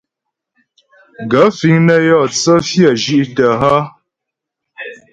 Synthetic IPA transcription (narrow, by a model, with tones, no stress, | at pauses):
ɡə˨˦fi˨˦ŋnə˦jɔ˦˨t͡sə˦fjə˦˨d͡ʒi˦ʔtə˨ɦa˦